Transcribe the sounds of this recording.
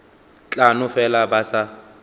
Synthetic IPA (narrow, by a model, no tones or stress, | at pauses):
t͡ɬʼanʊfɛlabasa